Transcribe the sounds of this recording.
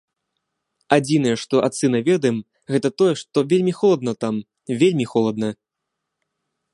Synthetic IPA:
ad͡zʲinɐjɛʂt̪ɔʔat̪sɨnɐvʲɛd̪ɐjɛm | ɣɛt̪ɐt̪ɔjɛʂt̪ɔvʲelʲmʲixɔlˠɐd̪nɐt̪am | vʲelʲmʲixɔlˠɐd̪̚nɐ

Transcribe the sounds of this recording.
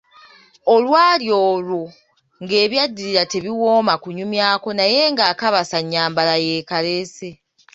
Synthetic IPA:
olwaːljoːlu | ŋɡe̞ːβjadːiɾiɾate̞βiwo̞ːmakuɲumjaːko̞naje̞ŋɡaːkaβasaɲːaːmbalaje̞ːkalese̞

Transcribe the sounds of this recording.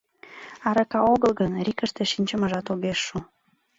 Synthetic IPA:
ɑɾɤkɑoɣəlˠɣənɾʲikəʃt̪eʃinʲt͡ɕə̆mə̆ʒɑt̪oɣeʃːu

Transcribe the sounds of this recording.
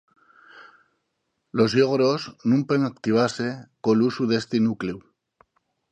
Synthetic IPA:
lozʎoɣɾoznũmpeŋak̚t̪iβ̞asekolusuðest̪inuklew

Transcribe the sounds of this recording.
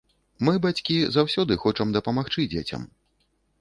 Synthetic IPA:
mɨbat͡sʲkʲizawsʲɔd̪ɨxɔt͡ʂɐmd̪ɐpɐmaxt͡ʂɨd͡zʲet͡sʲɐ̰m

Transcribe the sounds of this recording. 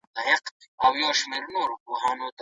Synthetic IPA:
t̪aɦɪqawjoːʃmeːɾnoːɾpoɦɑːnot̪

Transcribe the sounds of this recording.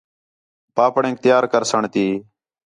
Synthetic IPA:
paːpɳẽːŋk̚t̪ɪjaːɾkəɾsəɳt̪iː

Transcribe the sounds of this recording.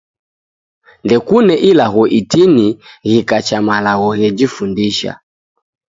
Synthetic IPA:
ndɛkunɛʔilaɣɔʔitiniɣikat͡ʃamalaɣɔɣɛd͡ʒifundiʃa̰

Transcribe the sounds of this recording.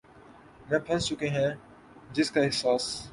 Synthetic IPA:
mɛ̃ːpʰɛ̃nt͡ʃʊkeɦɛ̃ | d͡ʒɪskaɪɦsaːs

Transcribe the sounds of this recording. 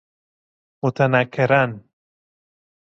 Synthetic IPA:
mot̪ʰanakʰːeɾan

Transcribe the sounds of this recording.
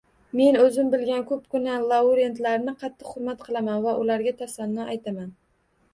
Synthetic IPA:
me̞nɵzɪmbɪlɡʲankʰɵpkʰʊnalˠauɾe̞nt̪laɾnɪqʰɑt̪ʰːɨqχʊɾmat̪qʰɨlˠamanvaʔʊlaɾɡʲat̪ʰasanːɒajt̪ʰaman

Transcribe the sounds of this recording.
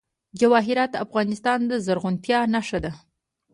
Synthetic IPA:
d͡ʒawɑɦɪɾɑt̪afɣɑnɪst̪ɑnd̪əzaɾɣʊnt̪jɑnaʂad̪a

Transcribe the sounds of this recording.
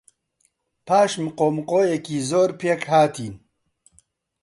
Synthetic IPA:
pʰaːʃmqoːmqoːjekiːzoːɾpʰeːkhaːt̪ʰiːn

